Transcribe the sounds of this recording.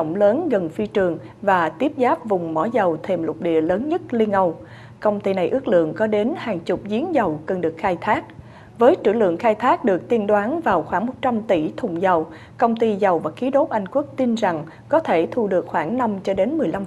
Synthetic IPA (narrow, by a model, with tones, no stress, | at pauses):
wŋ͡mləː˨˦nɣə˨˩nfi˧t͡ɕɨ˨˩əŋ | vaː˨˩t̪i˦˥əp̚zaː˦˥p̚vʊ˨˩ŋ͡mmɔ̰˧˩zə˨˩wt̪ʰe˧˩mlʊ˨˩t̚ɗḭ˧˨ələː˨˦nɲə˦˥t̚li˧ənʔə˧w | kə˧wŋ͡mt̪i˧na˨˩jʔɨ˦˥ək̚lɨ̰˧˨əŋkɔ˨˦ɗe˨˦nhaː˨˩ŋt͡ɕʊ˨˩p̚zi˨˦ənzə˨˩wkə˨˩nɗɨ˨˩ək̚xaː˧jt̪ʰaː˦˥k̚ | vəː˨˦jt͡ɕɨ̰˧˩lɨ̰˧˨əŋxaː˧jt̪ʰaː˦˥k̚ɗɨ˨˩ək̚t̪i˧ənɗwaː˨˦nvaː˨˩wxwaː˧˩ŋmo˨˩t̚t͡ɕa˧mt̪i˧˩t̪ʰʊ˨˩ŋ͡mzə˨˩w | kə˧wŋ͡mt̪i˧zə˨˩wvaː˨˩xi˨˦ɗo˦˥p̚ʔa˧jŋ̟ku˦˥ək̚t̪i˧nza˨˩ŋ | kɔ˨˦t̪ʰe˧˩t̪ʰu˧ɗɨ˨˩ək̚xwaː˧˩ŋna˧mt͡ɕɔ˧ɗe˨˦nmɨ˨˩əjla˧m